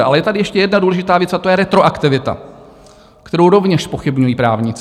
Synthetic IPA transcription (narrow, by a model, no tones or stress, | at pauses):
ʔa̰lɛjɛt̪adɪjɛʃcɛjɛdnaduːlɛʒɪt̪aːvjɛt͡sat̪ojɛɾɛt̪ɾoʔakt̪ɪvɪt̪a̰ | kt̪ɛɾowɾo̞vɲɛʃspo̞xɪbɲujiːpɾaːvɲɪt͡s